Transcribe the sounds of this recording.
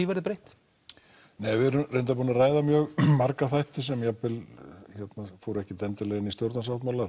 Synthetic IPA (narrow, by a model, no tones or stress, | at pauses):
ivɛɾðɪpɾejht̪ | nejvɪɛɾʏmrejnt̪̬apuːnaraːjðamjœːɣmaɾkaθajht̪ɪs̬ɛmjapɪlçɛt̪nafowɾɛhcɪt̪ɛnt̪ɪlɛɣɪnist̪jowɾt̪nasawht̪mala